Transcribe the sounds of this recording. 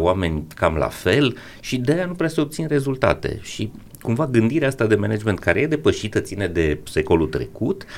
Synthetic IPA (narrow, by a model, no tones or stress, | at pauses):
ame̞nʲkamla̰fe̞l | ʃid̪eanupɾeaseo̞p̚t̪sinre̞zult̪a̰t̪ḛʃi | kumvaɡɨnd̪iɾeast̪ad̪e̞mened͡ʒme̞nt̪kaɾe̞jed̪epəʃit̪ət̪sine̞d̪e̞se̞ko̞lult̪ɾe̞̰kut̪